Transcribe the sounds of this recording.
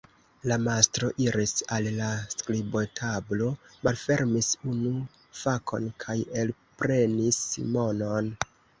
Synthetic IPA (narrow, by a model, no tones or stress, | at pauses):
lamastɾo̞ʔiɾisallaskɾibo̞tʰablo̞malfe̞ɾmisunu | fakʰo̞̰nkʰajelpɾe̞nisḭmo̞no̞n